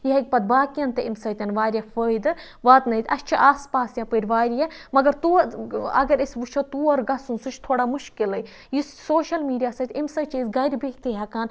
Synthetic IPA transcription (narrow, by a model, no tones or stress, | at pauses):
jiɦɐk̚ʲpɐd̪̚baːkijɐnt̪ɐʔimsɐːt̪ʲɐnʋaːɾʲjɐfəːjd̪ɨ | ʋaːt̪nɐit̪ʲɐʃt͡ʃʰiʔaːspaːsjapəɾʲʋaːɾjɐmɐɡɐɾt̪uɐ̰ɡɐɾisʋut͡ʃʰɐt̪uːɐɾɡɐsunsut͡ʃʰt̪ʰoːɽaːmuʃkilɐj | jissoːʃɐlmiːɖijaːsɐt̪ʲimsɐt͡ʃizɡɐɾʲbeːkt̪iɦɐkaːn